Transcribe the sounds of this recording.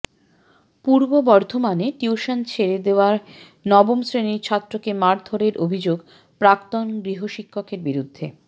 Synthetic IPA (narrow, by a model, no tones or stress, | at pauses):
puɾbobɔɾd̪ʱomaneʈiuʃant͡ɕʰeɾed̪eoaɾ | nɔbomsɾeniɾt͡ɕʰat̪ːɾokemaɾd̪ʱʰoɾeɾʔobʱid͡ʑoɡ | pɾakt̪onɡɾiɦoʃikʰːokeɾbiɾud̪ʱːḛ